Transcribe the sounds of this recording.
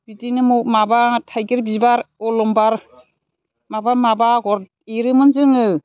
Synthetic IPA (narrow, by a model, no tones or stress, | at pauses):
b̥idinɯmumabatʰajɡɯɾbibaɾɔlɔmbaɾ | mabamabaɡɔɾ | eɾɯmɯnzɯŋɯ